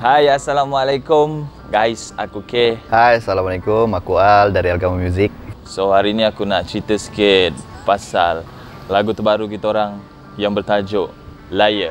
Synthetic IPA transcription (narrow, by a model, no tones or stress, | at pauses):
hajasalamwalakʊm | ɡajsakukehajasalamalakumakualdaɾialɡamamjuzik̚sohaɾiːniakunaʔt͡ʃit̪əsə̥kɪt̪̚pasa̰lː | aɡut̪əbaɾuk̬it̪aoɾaŋ | jaŋbərt̪ad͡ʒoʔ | lajə